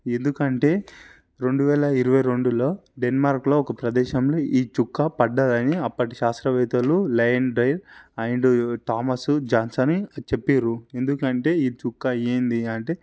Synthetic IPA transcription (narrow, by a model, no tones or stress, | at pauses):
e̞nd̪ukɐɳʈe̞ː | ɾe̞ɳɖuʋɛːlɐiɾuʋɐjɾo̞ɳɖulo̞ːɖenmaːɾklo̞ːɔkɐpɾɐd̪ɛːʃɐmlo̞ːʔiːt͡ʃukːapɐɖːad̪ɐniɐpːɐʈiʃaːst̪ɾɐʋɛːt̪ɐlulɐjɐnɖɾɐjlɐjɳɖuʈaːmɐsud͡ʒaːnsɐnt͡ʃepːeːɾue̞nd̪ukɐɳʈe̞ːiːt͡ʃukːaeːnd̪iɐɳʈe̞ː